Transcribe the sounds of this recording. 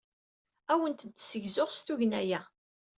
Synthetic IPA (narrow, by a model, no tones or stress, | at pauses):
æwənt̪ːsəʝzʊʁst̪uʝnæjæ